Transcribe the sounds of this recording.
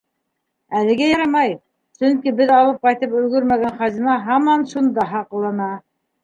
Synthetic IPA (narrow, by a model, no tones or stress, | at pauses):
ælɘ̆ɡæjɑɾɑmɑj | sɵŋkibɘðɑlˠɤp̚qɑjt̪ɤpɵ̆lɡɵɾmæɡænχɑzinɑɦɑmɑnʃund̪ɑɦɑqlˠɑnɑ